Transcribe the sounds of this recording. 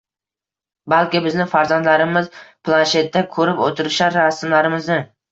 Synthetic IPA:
balkʲɪbɪznɪfaɾzand̪laɾɪmɪzpʰlˠanʃe̞t̪̚d̪akʰɵɾɪpot̪ʰɪɾɪʃaɾasmlaɾɪmɪznɪ

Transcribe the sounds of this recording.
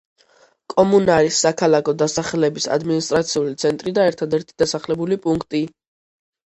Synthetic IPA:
kʼɔmunaɾisːakʰalakʰɔd̪asaχɛlɛbisa̰d̪minist̪ʼɾat̪sʰiulit̪sʰɛnt̪ʼɾid̪aɛɾt̪ʰad̪ɛɾt̪ʰi̥d̪asaχlɛbulipʼuŋkʰt̪ʼi

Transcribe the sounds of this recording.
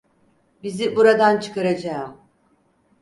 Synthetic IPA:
bizibuɾad̪ant͡ʃʰɯ̥kaɾad͡ʒaɯm

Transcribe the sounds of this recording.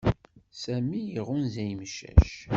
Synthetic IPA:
sæmijiʁʊnzæjmʃæ̰ʃ

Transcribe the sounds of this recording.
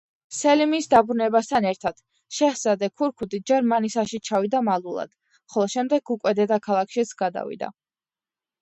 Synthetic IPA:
sɛlimiːsd̪abɾunɛbast̪ʰanɛɾt̪ʰad̪̥ | ʃɛhsad̪ɛkʰuɾkʰud̪id͡ʒɛɾmanisaʃit͡ʃʰavid̪amalˠulˠa̰d̪̥ | χɔlˠɔʃɛmd̪ɛɡukʼwɛd̪ɛd̪akʰalˠakʰʃit̪sʰɡad̪a̰vḭd̪a̰

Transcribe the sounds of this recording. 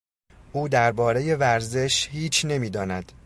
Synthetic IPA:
ʔuːd̪æɾbɒːɾe̞je̞væɾze̞ʃhiːt͡ʃʰne̞miːd̪ɒːnæd̪̥

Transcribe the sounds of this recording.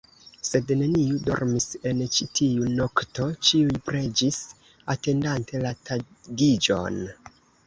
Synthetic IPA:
se̞dne̞niudo̞̰ɾmise̞nt͡ʃitʰiuno̞kto̞t͡ʃiujpɾe̞d͡ʒis | ate̞ndante̞latʰa | ɡid͡ʒo̞̰n

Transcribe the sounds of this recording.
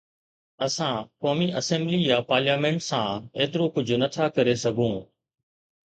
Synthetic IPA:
əsãkoːmiːʔɐsɛ̃ːmbliːjaːpaːɾljaːmẽːɳʈsãeːt̪ɪɾokʊd͡ʑʱonɐt̪ʰakɐɾesɐɡʱũː

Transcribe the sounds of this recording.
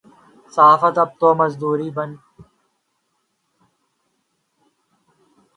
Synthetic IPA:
saːfət̪ɐb̚t̪oːmɐzd̪uːɾiːbɐn

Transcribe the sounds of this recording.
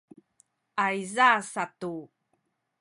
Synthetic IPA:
ʔajzasatu

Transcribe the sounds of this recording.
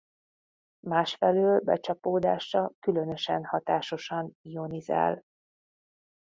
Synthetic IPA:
maːʃfɛløːlbɛ̰t͡ʃɒpoːd̪aːʃɒkylø̞nø̞ʃɛ̰nhɒt̪aːʃo̞ʃɒnijo̞niza̰ːl

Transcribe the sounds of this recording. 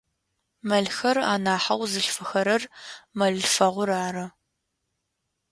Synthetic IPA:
mɐɮxɐra̰ːnaːħɐwzɨɬfɨxɐɾɐrmɐɮfɐʁʷʊɾaːɾɐ

